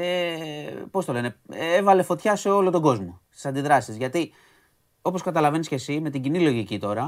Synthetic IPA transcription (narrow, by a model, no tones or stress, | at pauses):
e | po̞st̪o̞le̞ne̞evɐle̞fo̞t̪çɐseo̞lo̞t̪o̞ɡo̞zmost̪i̥sɐnd̪iðɾɐsizʝɐt̪i | o̞poskɐt̪ɐlɐve̞nisce̞sime̞t̪iɟinilo̞ʝicit̪o̞ɾɐ